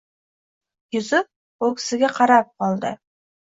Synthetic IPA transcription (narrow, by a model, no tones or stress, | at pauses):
jʊzɪp̚ | okʲʰɪ̥sɪɡʲeqʰɑɾɑp̚qʰɑlˠd̪ə̰